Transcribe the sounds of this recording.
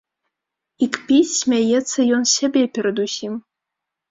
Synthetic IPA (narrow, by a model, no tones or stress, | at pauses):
ikpʲit͡sʲsʲmʲajɛt̪sːɐjɔnsʲabʲepʲɛɾəd̪usʲim